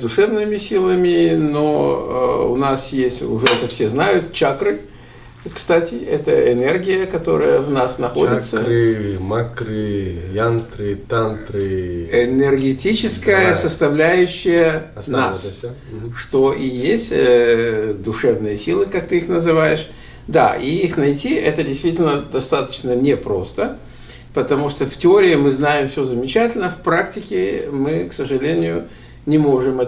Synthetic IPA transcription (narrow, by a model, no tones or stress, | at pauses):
d̪ʊʂɛvnɨmʲɪsʲilˠəmʲɪno̰ | ʊ̰nasjesʲtʲʊʐɛɛt̪əfsʲeznajʊt̪t͡ɕakɾɨ | kst̪atʲɪɛt̪əʔɪnerɡʲɪjəkɐt̪o̞̰ɾəjəvnasnɐxodʲɪt̪səɾɨmakɾɨjant̪ɾɨt̪ant̪ɾɨɪnʲɪrɡʲɪtʲit͡ɕɪskəjəsəst̪ɐvlʲæjʉɕːɪjənass | ʂt̪o̞ʔijesʲtʲ | d̪ʊʂɛvnɨjəsʲilˠɨkak̚t̪ɨixnəzɨvajɪʂ | d̪a̰iixnɐjtʲiɛt̪ədʲɪjst̪vʲitʲɪlʲnəd̪ɐst̪at̪ə̥t͡ɕnənʲepɾo̞st̪ə | pət̪ɐmuʂt̪oftʲɪo̞ɾʲɪɪmɨznajɪmfsʲɵzəmʲɪt͡ɕætʲɪlʲnəfpɾaktʲɪkʲɪmɨksəʐɨlʲenʲɪjʊ | nʲɪmo̞ʐɨmɛ